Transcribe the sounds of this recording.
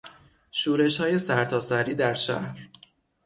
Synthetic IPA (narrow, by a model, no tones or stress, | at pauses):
ʃuːɾe̞ʃhɒːje̞sæɾt̪ʰɒːsæɾiːd̪æɾʃæ̰hɾ